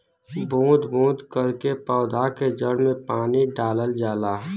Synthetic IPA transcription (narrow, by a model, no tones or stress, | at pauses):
bʱũːd̪bʱũːd̪kəɾkepɔːʊd̪ʱaked͡ʒəɽmẽpaːniɖaːləld͡ʒaːlaː